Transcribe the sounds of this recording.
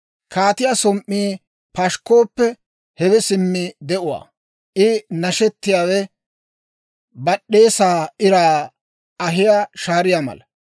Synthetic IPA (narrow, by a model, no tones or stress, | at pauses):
kaːt̪ɪjasɔmʔːiː | pɐʃkːo̞ːpːɛ | hɛwɛsɪmːɪd̪ɛʔʊwa̰ː | ʔɪnɐʃɛt̪ːɪjaːwɛ | bɐɗːe̞ːsaːɪɾaː | ɐɦɪjaːʃaːɾɪjamɐ̰lɐ